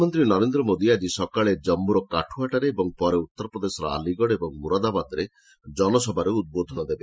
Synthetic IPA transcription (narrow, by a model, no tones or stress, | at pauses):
mɔnt̪ɾinɔɾend̪ɾɔmod̪iad͡ʒisɔkaɭed͡ʒɔmːuɾɔkaʈʰuaʈaɾeːbɔŋpɔɾeut̪ːɔɾɔpɾɔd̪esɔɾɔ̰a̰liɡɔɽebɔŋmuɾad̪abad̪ɾe | d͡ʒɔnɔsɔbʱaɾeut̪̚bod̪ʱɔnɔd̪ebe